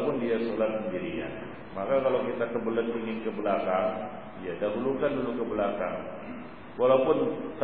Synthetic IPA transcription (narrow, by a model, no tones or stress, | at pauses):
pʊndiasolat̪̚səndiɾḭka̰n | makakalawkit̪akəbələt̪̚piŋɪnkəbəlakaŋ | ijadaɦulukandulukəbəlaka̰ŋ | walawpʊnt̪